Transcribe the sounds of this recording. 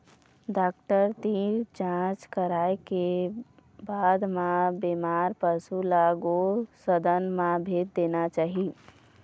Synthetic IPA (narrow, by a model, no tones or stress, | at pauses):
ɖakʈəɾt̪iɾd͡ʒãt͡ʃkəɾaeke | bad̪mãbemaɾpəsulaɡosəd̪ənmãbʱet̪̚d̪enat͡ʃaːɦi